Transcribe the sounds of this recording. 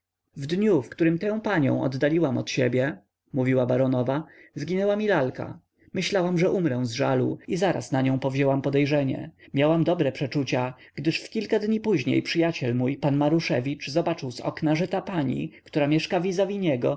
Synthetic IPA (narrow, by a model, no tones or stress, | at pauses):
vd̪ɲufkt̪uɾɘmt̪ɛ̃w̃paɲɔ̰̃w̃ʔɔ̰d̪d̪alʲiwamɔ̰t̪ɕebʲjɛ | muvʲiwabaɾɔnɔvazɡʲinɛwamʲilalka̰ | mɘɕlawamʐɛʔumɾɛw̃zʐalṵizaɾa̰snaɲɔ̃w̃pɔvʑɛwampɔd̪ɛjʐɛɲɛ̰mʲjawamd̪ɔbɾɛpʂɛt͡ʂut͡ɕaɡ̥d̪ɘʂfkʲilkad̪ɲipuʑɲḛjpʂɘjat͡ɕɛlmujpanmaɾuʂɛvʲit͡ʂzɔbat͡ʂɘwsɔ̰knaʐɛt̪apaɲḭkt̪uɾamʲjɛʂkavʲizavʲiɲɛɡɔ